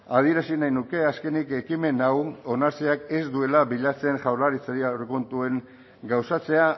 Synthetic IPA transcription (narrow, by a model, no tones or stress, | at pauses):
að̞ie̞ɾasinajnuke̞aske̞nike̞kime̞nawo̞naɾt͡siake̞zd̪ue̞laβiʎat͡se̞nʝawlaɾit͡saɾiawrekont̪ue̞ŋ | ɡawsat͡se̞a